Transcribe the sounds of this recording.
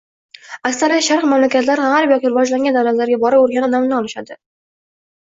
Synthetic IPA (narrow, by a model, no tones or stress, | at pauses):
akst̪aɾjʃaɾqmamlakʲat̪laɾʁaɾbjɒkʲiɾɪvɒd͡ʒlaŋʲɡʲand̪awlat̪laɾɡʲabɒɾɪboɾɡʲanɒd̪amnɪɒlˠɪʃad̪ɪ